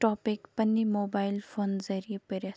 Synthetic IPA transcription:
ʈɔːpɪkpɐnːimoːbaːɪlfʰoːnzɐɾijepeɾe

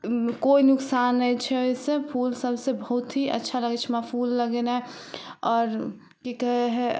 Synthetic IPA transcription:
koinʊksanːəit͡ʃʰɛojsepʰulsəbsebəɦut̪ɦiʔə̰tːʃʰaləɡɛt͡ʃʰɛmapʰulːəɡena | ɔːɾ | kikəɦeɦɛ

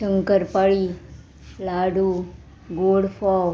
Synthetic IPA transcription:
ʃəŋkəɾpaɭi | laɽu | ɡoɽfɔ

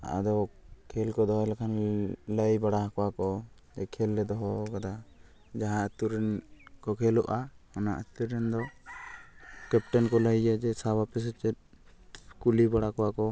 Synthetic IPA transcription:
a̰ʔa̰d̪ɔkʰɛlkɔd̪ɔɦɔjlakʰanləjbaɽaɦakɔwakɔd͡ʒɛkʰɛlːɛd̪ɔɦɔkad̪a | d͡ʒaɦãət̪uɾɛnkɔkʰɛlɔʔahɔna̰ʔət̪uɾɛnd̪ɔ | kɛp̚ʈɔnkɔləjad͡ʒɛsabapɛs̬ɛt͡ʃɛt̪̚ | kulibaɽakɔwakɔ

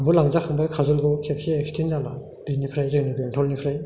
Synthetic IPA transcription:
mbulaŋzahʰaŋbajkʰazulɡɯkʰep̚siek̚stʰinzala̰ | b̥inipʰɾajzɯŋnibntʰɔlnipʰɾaj

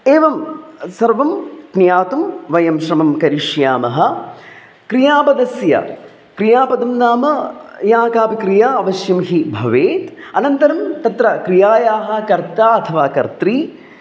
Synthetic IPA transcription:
eːʋɐmsɐɾʋɐmknjaːt̪umʋɐjɐmʃɾɐmɐmkɐɾiʂjaːmɐɦɐ̆ | kɾijaːpɐd̪ɐsjɐ̰ | kɾijaːpɐd̪ɐmnaːmɐjaːkaːpikɾijaːɐʋɐʃjɐmɦibʱɐʋeːt̪ɐnɐnt̪ɐɾɐmt̪ɐt̪ɾɐkɾijaːjaːɦɐ̆kɐɾt̪aːɐt̪ʰɐʋaːkɐɾt̪ɾiː

